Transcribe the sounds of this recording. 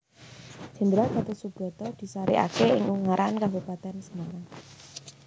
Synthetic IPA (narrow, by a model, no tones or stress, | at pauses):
ʒ̥ə̤nd̪əɾab̥a̤t̪esub̥ɾɔ̤t̪ɔd̪̥i̤saɾḭʔa̰keɪ̰ŋuŋaɾʔankabupat̪ɛnsənaɾa